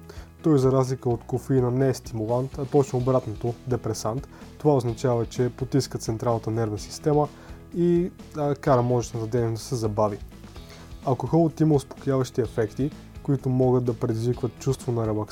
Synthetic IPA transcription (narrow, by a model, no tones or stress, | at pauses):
t̪ɔjzɐɾazlikəot̪kofinənɛɛst̪imulˠant̪ɐpɔt͡ʃnɐobɾat̪not̪od̪ɛpɾɛsant̪ːovaoznɐt͡ʃavɐt͡ʃɛpot̪iskət̪sɛnt̪ɾalˠnət̪ənɛɾvnəsi̥st̪ɛmə | i | kaɾəmɔʒɛʃnɐt̪ɐd̪ɛnd̪ɐsɛzɐbavi | ɐlˠkoxɔlˠət̪imɐʊspo̥kʊjʲavəʃt̪iɛfɛkt̪i | koit̪ʊmɔɡətd̪d̪ɐpɾɛd̪izvikvət̪̚t͡ʃust̪vonɐɾɛlˠɐk